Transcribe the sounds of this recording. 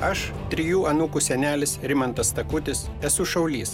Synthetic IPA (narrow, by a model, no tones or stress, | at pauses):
ɐʃ | t̪ʲɾʲɪjuːɐnukusʲɛnʲæːlʲɪsɾʲɪmɐnt̪ɐst̪ɐkʊt̪ʲɪs | ɛsʊʃɐʊlʲiːs